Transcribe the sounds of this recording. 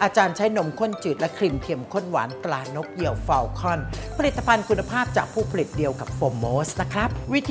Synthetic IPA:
ʔaː˧t͡ɕaː˧nt͡ɕʰa˦˥jno˧˥mkʰo˥˩˨nt͡ɕɯː˨˩t̪̚lɛ˦˥kʰɾi˧mt̪ʰi˧əmkʰo˥˩nwa̰ː˩˦nt̪laː˧no˦˥k̚ji˧əwfa˧wkʰɔ˥˩npʰa˧li˨˩t̪ːa˧pʰa˧nkʰu˧nːa˧pʰaː˥˩p̚t͡ɕaː˨˩k̚pʰuː˥˩pʰa˧li˨˩t̪̚di˧əwka˨˩p̚foː˧mːoː˦˥sna˦˥kʰɾa˦˥p̚wi˦˥t̪ʰ

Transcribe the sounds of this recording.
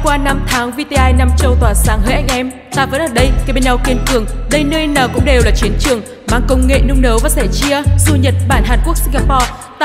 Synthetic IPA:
kwaː˧na˧mt̪ʰaː˨˦ŋvi˧t̪e˧ʔaː˧jna˧mt͡ɕə˧wt̪waː˨˩saː˨˧˩ŋhəː˨˦jʔa˧jŋ̟ʔɛ˧m | t̪aː˧˩və̰˧˥nʔəː˧˨˩ɗə˧jka˨˦ɓe˧˦nɲa˧wki˧ənkɨ˨˩əŋɗə˧jnə˧jnəː˨˩kʊ̰˧˥ŋ͡mɗe˨˩wlaː˨˩t͡ɕi˨˦ənt͡ɕɨ˨˩əŋ | maː˧˨ŋkə˧wŋ͡mŋḛ˧˨nɨ˧ŋ͡mnə˨˦wvaː˨˩sɛ˧˩t͡ɕi˧əzu˧ɲə˨˩t̚ɓaː˧˩nɦaː˨˩nku˦˥ək̚si˧ŋɡaː˧pɔ˧

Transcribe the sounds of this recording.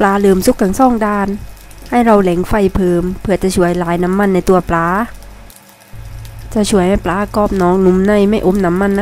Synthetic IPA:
plaː˧lɤː˧˩msu˦˥kːa˧˩ŋsɔː˧˥˩ŋdaː˧˩nha˥˩jɾa˧wlɛ˨˩˦ŋfa˧˩jpʰɤː˧mpʰɯ˧˩ɐt͡ɕa˧ʔt͡ɕʰu˨˦ɐjlaː˨˦jna˧˦˥mːa˧˥˨nːa˧˩jt̪u˧ɐplaː˨˦˥ | t͡ɕa˧t͡ɕʰu˨˦əjha˧˩jplaː˨˧˥kɔː˧˩p̚nɔː˨˦ŋnu˧˦mna˧˩jma˧˩jʔo˨˧˥mna˧˦˥mːa˧˥˨nː˧

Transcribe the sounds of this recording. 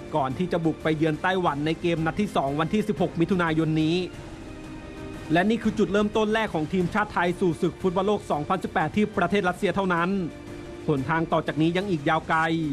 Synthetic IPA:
kɔː˨˩nt̪ʰiː˥˩t͡ɕa˨˩bu˨˩k̚pa˧jːɯ˧ənt̪a˥˩jwa˩˦nːa˧jkeː˧mna˧˥t̪ʰːiː˥˩sɔː˩˦ŋwa˧nt̪ʰiː˥˩si˨˩p̚ho˨˩k̚mi˦˥t̪ʰu˧naː˧jo˧nːiː˦˥ | lɛ˦˥niː˥˩kʰɯː˧t͡ɕu˨˩t̪̚ɾɤː˥˩mt̪o˥˩nlɛː˥˩kʰːɔː˩˦ŋt̪ʰiː˧mt͡ɕʰaː˥˩t̪ʰːa˧jsuː˨˩sɯ˨˩k̚fʰu˦˥t̪̚bɔː˧˥loː˥˩k̚sɔː˩˦ŋpʰa˧nsi˨˩pːɛː˨˩t̪ʰːiː˥˩pɾa˧eː˥˩t̪̚ɾa˦˥t̪̚si˧ɐt̪ʰa˥˩wna˦˥n | pʰo˩˦nt̪ʰaː˧ŋt̪ɔː˨˩t͡ɕaː˨˩k̚niː˦˥ja˧ŋʔiː˨˩k̚jaː˧wka˧j

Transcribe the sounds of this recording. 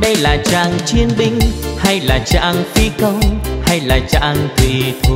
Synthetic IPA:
ɗə˧jlaː˨˩t͡ɕa̰ː˧˨˩ŋt͡ɕi˧ənɓï˧ŋ̟ha˧jlaː˨˩t͡ɕa̰ː˧˨ŋfi˧kə˧wŋ͡mha˧jlaː˨˩t͡ɕa̰ː˧˨ŋt̪wi˨˩t̪ʰ

